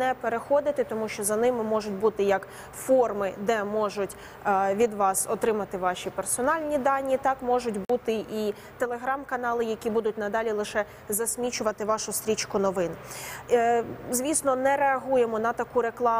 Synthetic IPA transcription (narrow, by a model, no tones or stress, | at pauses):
nɛpeɾexɔd̪ɪt̪ɪt̪ɔmuʃt͡ʃɔzɐnɪmɪmɔʒʊtʲbut̪ɪjɐk | fɔrmɪd̪ɛmɔʒʊtʲ | ʋʲid̪ʋɑsɔt̪ɾɪmɐt̪ɪʋɑʃʲipersɔnɑlʲnʲid̪ɑnʲːit̪ɑkmɔʒʊtʲbut̪ɪʔi | t̪elˠe̞ɦɾɑmkɐnɑlˠɪjɐkʲibud̪ʊtʲnɐd̪ɑlʲilˠɪʃɛ | zɐsʲmʲit͡ʃʊʋɐt̪ɪʋɑʃʊst̪ɾʲit͡ʃkʊnɔʋɪn | zʲʋʲisnɔnɛɾeɐɦujemɔnɐt̪ɐkuɾe̞klˠɑ